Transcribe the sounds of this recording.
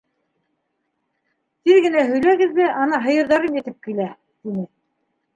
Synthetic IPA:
t̪iɾɡɘ̆næɦɵ̆jlæɡɘ̆ðβæʔɑnɑɦɤ̆jɤ̆ɾðɑɾɤmɘ̆t̪ɘp̚kilæ | t̪inɘ

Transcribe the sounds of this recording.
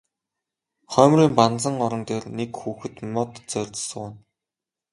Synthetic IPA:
χœːmriːmpant͡sə̆ŋɔɾɞ̆nt̪eːrnekxuːxɘ̆t̪mɔt̪t͡sœɮʲt͡s̆sə̆kæn

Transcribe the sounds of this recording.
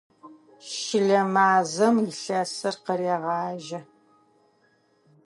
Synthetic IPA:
ʃɪɮɐmaːzɐmiɬɐsɐrqəɾeːʁɑːʒɐ

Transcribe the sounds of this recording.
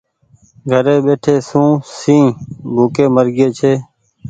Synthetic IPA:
ɡʱəɾeːɓeːʈʰeːsũːsĩːbʱuːkeːməɾɡeːt͡ʃʰeː

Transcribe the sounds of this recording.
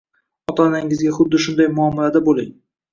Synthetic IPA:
ɒt̪anaɪŋɪzɡʲaχʊd̪ːɪʃʊnd̪ajmʊɒmːalad̪abolɪ̰ŋ

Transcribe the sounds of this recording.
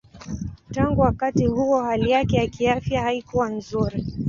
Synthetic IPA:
taŋɡuwakatihuɔhalijakɛjakiafjahaikuwanzuɾi

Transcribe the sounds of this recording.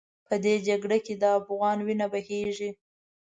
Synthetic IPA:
pəd̪ed͡ʒaɡɽaked̪əafɣɑnwinabaheʒi

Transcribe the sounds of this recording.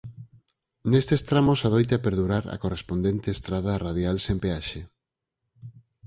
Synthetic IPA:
nest̪est̪ɾamosað̞ojt̪eapeɾðuɾaɾa̰korespond̪ent̪eest̪ɾað̞araðjalsempeaʃe

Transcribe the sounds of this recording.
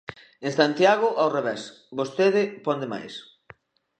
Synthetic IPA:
eŋsant̪jaɣʊʔawreβɛs | bost̪eðɪpɔnd̪ema̰js

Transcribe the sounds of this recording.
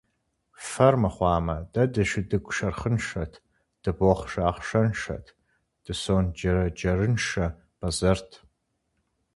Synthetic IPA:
fɐrmɐχʷɑːmɐdɐdɨʃɪdɨkʷʼʂɐrχənʂɐtʰ | d̥ɨboχʂaːχʂɐnʂɐ̰tʰ | d̥ɨsond͡ʒɐɾɐd͡ʒɐrɨnʂɐ | b̥ɐzɐrtʰ

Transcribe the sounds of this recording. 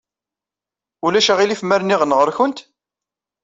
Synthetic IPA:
ulæʃæʁilifməɾniʁənʁəɾçənt̪

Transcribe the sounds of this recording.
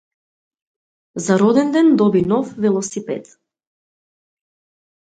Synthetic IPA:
zaɾɔd̪ɛnd̪ɛnd̪ɔbinɔfvɛlˠɔsipɛ̰t̪

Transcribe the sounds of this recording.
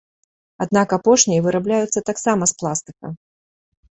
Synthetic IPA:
ad̪nakapɔʂnʲijɐvɨɾablʲajut̪sːɐt̪aksamɐsplˠast̪ɨ̥kɐ̰

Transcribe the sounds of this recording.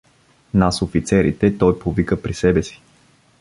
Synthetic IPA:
nasofit̪sɛɾḭt̪ɛt̪ɔjpovikəpɾisɛbɛsi̥

